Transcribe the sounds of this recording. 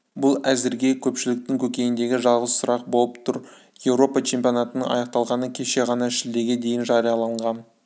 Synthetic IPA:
bʊlˠæzɪɾɡʲe̞kʲʰɵpʃɪlɪk̚t̪ɪŋkʲʰɵkʲe̞jɪnd̪e̞ɡʲɪʒɑlˠʁəzsʊɾɑq̚bo̞lˠəpt̪ʰʊɾ | je̞wɾo̞pɑt͡ʃʰe̞mpʲijo̞nɑt̪ənəɴɑ̰jɑq̚t̪ɑlˠʁɑnəkʲʰe̞ʃe̞ʁɑnɑʃɪld̪e̞ɾɡʲe̞d̪e̞jɪnʒɑɾijɑlˠɑɴʁɑn

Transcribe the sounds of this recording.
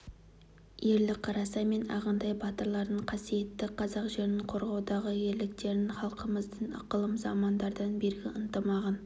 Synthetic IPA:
je̞ɾlɪkqʰɑɾɑsɑme̞nɑ̰ʁənd̪ɑjbɑt̪əɾlˠɑɾd̪əɴqʰɑsije̞t̪ːɪqʰɑzɑqʒe̞ɾɪnɪɴqʰo̞ɾʁɑwd̪ɑʁəje̞ɾlɪk̚t̪e̞ɾɪnχɑlˠqəməzd̪ənɑ̰qəlˠəmzɑmɑnd̪ɑɾd̪ɑnbe̞ɾɡʲɪənt̪əmɑʁɑn

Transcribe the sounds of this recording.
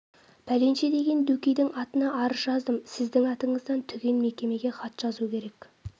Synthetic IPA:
pʰæle̞nʃed̪e̞ɡʲe̞nd̪ukʲijd̪ɪŋɑt̪ənɑʔɑɾəʒɑzd̪əmsɪzd̪ɪŋɑt̪əɴəzd̪ɑnt̪ʰʏɡʲe̞nme̞kʲe̞me̞ɡʲe̞χɑt̪ʒ̥ɑzukʲʰe̞ɾekʲ

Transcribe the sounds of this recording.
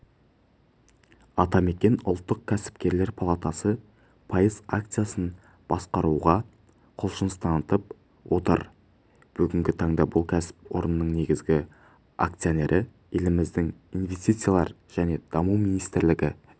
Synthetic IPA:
ɑt̪ɑme̞kʲe̞nʊ̰lˠt̪ːəq̚kʲʰæsɪ̥pkʲe̞ɾle̞ɾpʰalˠat̪asə | pʰɑjəzakt̪sɨjasən | b̥ɑsqɑɾuʁɑ | qʰʊlˠʃənəst̪ʰɑnət̪əp̚ | wʔo̞t̪ə̰ɾ | b̥ʏɡʲɪŋɡʲɪt̪ʰɑɴd̪ɑbʊlˠkʲʰæsɪ̥pwo̞̰ɾənːəɴne̞ɡʲɪzɡʲɪ | a̰kt̪sijone̞ɾʔɪ | e̞lɪmɪzd̪ɪŋinve̞st̪ijt̪sɨjalˠɑ̰ɾ | ʒ̥æne̞d̪̥ɑmumijnijst̪ɪɾlɪɡʲɪ

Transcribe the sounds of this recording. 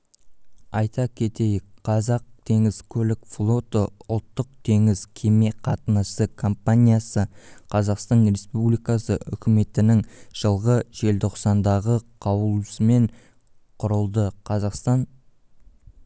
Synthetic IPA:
ɑjt̪ʰɑkʲʰe̞t̪e̞jqʰɑzɑq̚t̪ʰe̞ŋɪzkʲʰɵlɪkflˠo̞t̪əʊlˠt̪ːəq̚t̪ʰe̞ŋɪz̥kʲʰe̞me̞qʰɑt̪ənəsəkʰo̞mpanʲijasəqʰɑzɑqst̪ɑnɾe̞spublijkɑsəʔʏ̰kʲɪme̞t̪ɪnɪŋʒ̥əlˠʁəʒe̞lt̪ʰoqsɑnd̪ɑʁəqʰɑwəlˠsəme̞ɴ | qʰʊɾəlˠd̪əqʰɑzɑqst̪ɑɴ

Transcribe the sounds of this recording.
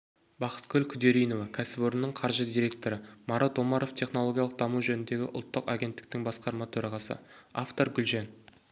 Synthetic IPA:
bɑqə̥t̪kʲʰɵlkʲʰʏd̪e̞ɾijno̞vɑkʲʰæsɪpoɾənːəɴqʰɑɾʒəd̪ʲiɾʲe̞k̚t̪o̞ɾəmɑɾʔat̪o̞mɑɾo̞ft̪ʰe̞χnolˠo̞ɡʲijalˠəq̚d̪ɑmuwʒɵnɪnd̪e̞ɡʲɪ̰ʔʊ̰lˠt̪ːəqɑɡʲe̞nt̪ːɪ̥k̚t̪ɪŋbɑsqɑɾmɑt̪ʰɵɾɑʁɑsə̰aft̪o̞ɾɡʲʏlʒen

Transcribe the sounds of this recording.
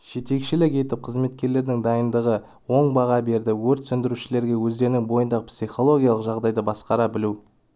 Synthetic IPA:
ʒ̥e̞t̪e̞kʃɪlɪke̞t̪ɪp̚qʰəzme̞t̪kʲe̞ɾle̞ɾd̪ɪŋd̪ɑjənd̪əʁə | wo̞ɴbɑʁɑbe̞ɾd̪ɪwɵɾt̪sʏnd̪ɪɾuʃɪle̞ɾɡʲe̞wɵzd̪e̞ɾɪnɪŋbo̞jənd̪ɑqpsiχo̞lˠo̞ɡʲijɑlˠəqʒɑʁd̪ɑjd̪əbɑsqɑɾɑbɪlu

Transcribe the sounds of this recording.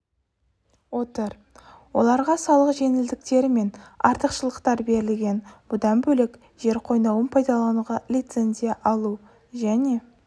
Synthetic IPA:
wo̞t̪əɾ | wo̞̰lˠɑɾʁɑsɑlˠəqʒe̞nɪld̪ɪk̚t̪e̞ɾɪme̞nɑ̰ɾt̪əqʃəlˠəqt̪ɑɾbe̞ɾɪlɡʲe̞nb̥ʊd̪ɑnbɵlɪk | ʒe̞ɾqʰo̞jnɑwənpʰɑjd̪ɑlˠɑnuʁɑlʲijt̪se̞nzijɑʔɑlˠu | ʒæne̞

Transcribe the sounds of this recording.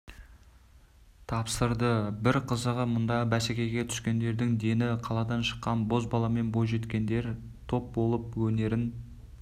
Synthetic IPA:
t̪ʰɑpsəɾd̪əbɪɾqʰəzəʁəmʊnd̪ɑəbæsekʲe̞jɡʲe̞t̪ʰʏ̥skʲe̞nd̪e̞ɾd̪ɪŋd̪e̞nɪqʰɑlˠɑd̪ɑnʃə̥qːɑnbo̞zbɑlˠɑme̞nbo̞j̪ʒe̞t̪kʲe̞nd̪e̞ɾ | t̪ʰo̞p̚bo̞lˠəp̚wɵne̞ɾɪn

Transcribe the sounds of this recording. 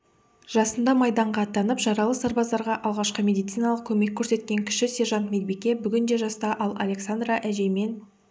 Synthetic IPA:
ʒ̥ɑsənd̪ɑmɑjd̪ɑɴʁɑːt̪ːɑnəpʒɑɾɑlˠəsɑɾbɑzd̪ɑɾʁɑʔɑlˠʁɑʃqəmʲe̞d̪ijt̪sijnɑlˠəq̚kʲʰɵme̞kʲʰːɵɾse̞t̪kʲe̞ŋkʲʰɪ̥ʃɪseʒɑnt̪med̪be̞kʲe̞bʏɡʲɪnd̪e̞ʒɑst̪ɑʔɑlˠɑlʲe̞ksand̪ɾɑʔæʒe̞jme̞n

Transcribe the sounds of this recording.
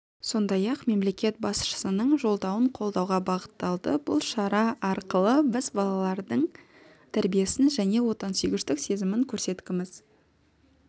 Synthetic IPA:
so̞nd̪ɑjɑqme̞mle̞kʲe̞t̪̚bɑsʃə̥sənəɴʒo̞lˠd̪ɑwəɴqʰo̞lˠd̪ɑwʁɑbɑʁət̪ːɑlˠd̪əbʊ̰lˠʃɑɾɑʔɑɾqəlˠəbɪzbɑlˠɑlˠɑɾd̪əɴ | t̪ʰæɾbije̞sɪnʒæne̞wo̞t̪ɑnsijɡʲɪʃt̪ɪkse̞zɪmɪŋkʲʰɵɾse̞t̪kʲɪmɪz̥

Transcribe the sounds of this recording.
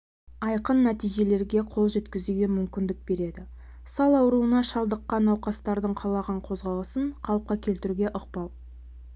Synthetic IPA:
ɑjqənːæt̪ijʒe̞le̞ɾɡʲe̞qʰo̞lˠʒe̞t̪kʲɪzuɡʲe̞mʏmkʲɪnd̪ɪk̚be̞ɾe̞d̪ɪ | sɑlˠɑwɾuənɑʃɑlˠd̪əqːɑnɑwqɑst̪ɑɾd̪əɴqʰɑlˠɑʁɑɴqʰo̞zʁɑlˠəsəɴqʰɑlˠəp̚qɑkʲʰe̞lt̪ɪɾuɡʲe̞ʔoq̚pɑlˠ

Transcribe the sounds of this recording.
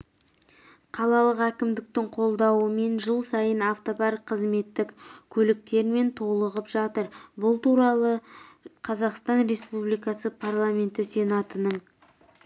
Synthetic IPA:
qʰɑlˠɑlˠəqækʲɪmd̪ɪk̚t̪ɪŋqʰo̞lˠd̪ɑwəme̞nʒəlˠsɑjənɑft̪opɑɾqʰəzme̞t̪ːɪkkʲʰɵlɪk̚t̪e̞ɾme̞nt̪ʰo̞lˠəʁəpʒɑt̪əɾbʊlˠt̪uɾɑlˠəqʰɑzɑqst̪ɑnɾe̞spublijkɑsəpʰarlˠame̞nt̪ɪse̞nɑt̪ənəɴ

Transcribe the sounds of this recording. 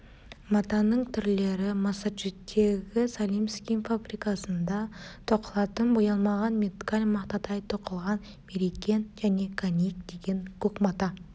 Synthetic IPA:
mɑt̪ɑnəɴt̪ʰʏɾle̞ɾɪmɑsat͡ʃut̪ʰːe̞ɡʲɪsalʲˠimskʲimfabɾikɑsənd̪ɑt̪ʰoqəlˠɑt̪ənbojɑlˠmɑʁɑnmʲet̪kalʲmɑqt̪ɑt̪ɑjt̪ʰoqəlˠʁɑn | meɾikʲenʒæne̞kʰanʲijk̚d̪̥e̞ɡʲe̞ŋkʲʰɵkmɑt̪ɑ

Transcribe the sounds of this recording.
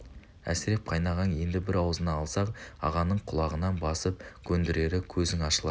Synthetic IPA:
æ̰sɪɾe̞p̚qʰɑjnɑʁɑnje̞nd̪ɪbɪɾɑwəzənɑːlˠsɑqɑ̰ʁɑnəɴqʰʊlˠɑʁənɑnbɑsəp̚kʲʰɵnd̪ɪɾe̞ɾɪkʲʰɵzɪŋɑʃəlˠɑ

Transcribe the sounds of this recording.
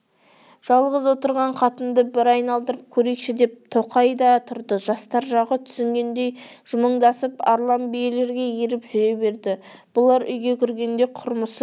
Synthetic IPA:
ʒ̥ɑlˠʁəzwo̞t̪əɾʁɑɴqʰɑt̪ənd̪əbɪɾɑjnɑlˠd̪əɾəp̚kʲʰɵɾe̞kʃɪd̪e̞p̚t̪ʰoqɑjd̪ɑt̪ʰʊɾd̪əʒɑst̪ɑɾʒɑʁət̪ʰʏ̥sɪŋɡʲe̞nd̪e̞j | ʒ̥ʊməɴd̪ɑsəpɑɾlˠɑmbijele̞ɾɡʲe̞jeɾɪpʒʏɾe̞be̞ɾd̪ɪ | b̥ʊlˠɑɾʏjɡʲe̞kʲʰʏɾɡʲe̞nd̪e̞jqʰʊɾməs

